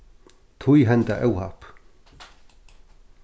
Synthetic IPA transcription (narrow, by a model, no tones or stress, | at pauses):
t̪ʰujɦɛnt̪aʔɛwha̰p